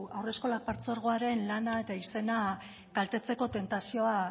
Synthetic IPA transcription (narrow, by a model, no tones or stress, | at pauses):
awre̞sko̞lak̚paɾt͡so̞ɾɣ̞oaɾe̞nlanae̞t̪aise̞na | ɡ̥alt̪e̞t͡se̞ko̞t̪e̞nt̪asio̞a